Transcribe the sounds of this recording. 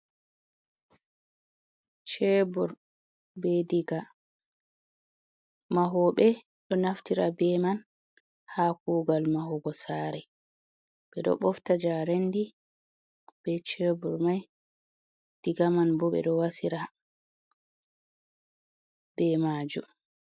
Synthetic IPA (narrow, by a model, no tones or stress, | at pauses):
t͡ʃebuɾ | bɛdiɡa | maɦɔɓɛ | ɗɔnaftiɾabɛman | hakuːɡalmaɦɔɡɔsaɾɛ | ɓɛɗɔ̰ɓɔftad͡ʒaɾendi | b̥ɛt͡ʃebuɾmaj | d̥iɡamanbɔɓɛ̰ɗɔwasiɾa | b̥ɛmad͡ʒṵ